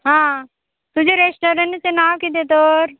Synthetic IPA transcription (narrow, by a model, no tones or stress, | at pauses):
ɦãː | t̪ʊd͡ʑoɾesʈoːɾəɳʈsenaːʋkit̪̬et̪oːɾ